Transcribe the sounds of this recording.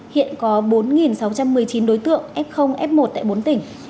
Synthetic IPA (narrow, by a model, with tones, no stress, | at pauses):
hḭ˧˨ənkɔ˨˦ɓo˨˦nŋi˨˩nsa˨˦wt͡ɕa˧mːɨ˨˩əjt͡ɕi˨˦nɗo˨˦jt̪ɨ̰˧˨əŋʔɛ˦˥p̚xə˧wŋ͡mʔɛ˦˥p̚mo˨˩t̚t̪a̰ː˧˨jɓo˨˦nt̪ï˨˩ŋ̟